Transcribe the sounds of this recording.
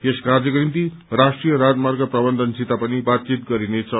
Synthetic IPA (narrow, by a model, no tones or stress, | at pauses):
eskard͡zʌkonimt̪i | rasʈrijʌɾad͡zmarɡʌprʌbʌnd̪ʱʌnsit̪apʌnibat̪̚t͡sit̪ɡʌɾinet͡sʰʌ